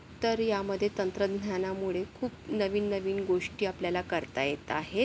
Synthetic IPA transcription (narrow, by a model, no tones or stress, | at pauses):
t̪əɾjaməd̪ʱːjet̪ənt̪ɾəd̪njanamuɭekʰuːp̚nəʋiːnːəʋiːnɡoʂʈiːapljalakəɾt̪ajet̪aɦe